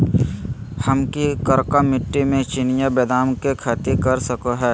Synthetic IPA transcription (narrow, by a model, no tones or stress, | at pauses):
həmkikəɾkamɪʈːimẽt͡ʃɪnɪjabɛːd̪aːmkekʰaːt̪ikɐɾsəkoɦɛː